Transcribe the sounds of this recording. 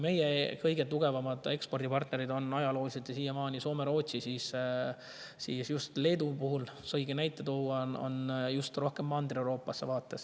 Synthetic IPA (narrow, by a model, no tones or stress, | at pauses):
me̞jekɤjɡ̥e̞t̪uɡ̥e̞vɑmɑd̪̥e̞kspo̞rd̪̥ipɑrt̪ne̞ɾid̪o̞nɑjɑlo̞ːliset̪jɑsiːjɑmɑːnʲiso̞ːme̞ɾo̞ːt̪ʲsisiːs | sisjust̪le̞ːd̪upuɦulsɤjɡenæjt̪ːˑet̪owɑno̰njust̪ro̞hke̞mːɑnd̪rewɾo̞ːpːˑɑsːe̞vɑːt̪ˑːe̞s